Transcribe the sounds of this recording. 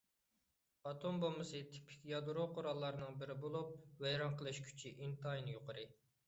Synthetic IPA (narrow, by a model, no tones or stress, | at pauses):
ɑt̪ʰombomɨsɨt̪ʰɪ̥pʰɪ̥kʲjɑd̪ɾoqʰoɾɑlˠːɑɾnɨŋbɪɾɪbolˠup̚vɛjɾɑnqʰəlˠɨʃkʲʰy̥t͡ʃʰiʔint̪ʰɑjinɨjoqʰəɾɨ